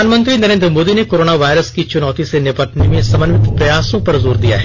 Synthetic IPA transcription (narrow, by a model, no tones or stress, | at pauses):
aːnmɐ̃nt̪ɾinɐɾẽːnd̪ɾmoːd̪inekoːɾoːnaʋaːɪɾəskit͡ʃʊnɔːt̪isenɪbəʈnemẽsɐmənʋɪt̪pɾɐjaːsõpɐɾzoːɾd̪ija̰ɦɛ